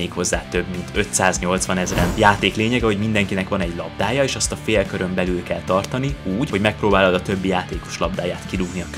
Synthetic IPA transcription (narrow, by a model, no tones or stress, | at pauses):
eːkho̞zːaːt̪ø̞bmint̪ø̞t̪saːzɲo̞lt̪sʋɒnɛzrɛnjaːt̪eːkleːɲɛɡɛɦo̞ɟmind̪ɛŋkinɛkʋɒnɛɟlɒb̚d̪aːjɒeːʃɒst̪ɒfeːlkøɾø̞mbɛlylkɛlt̪ɒrt̪ɒniuːɟho̞ɟmɛk̚pɾoːbaːlɒd̪ɒt̪øbːijaːt̪eːko̞̥ʃlɒb̚d̪aːjaːt̪kiluɡniɒ